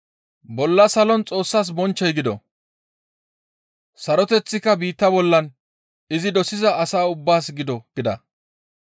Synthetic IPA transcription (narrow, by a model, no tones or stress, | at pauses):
bɔlːɐsɐlɔnt͡sʼo̞ːsːaːs̬bɔnt͡ʃːɛjɡɪd̪ɔ̰ | sɐɾɔt̪ɛt͡sːɪkːɐbiːt̪ːɐbɔlːɐn | ɪzɪd̪ɔsɪzɐɐsaːʊbːaːsɡɪd̪ɔɡ̥ɪd̪ɐ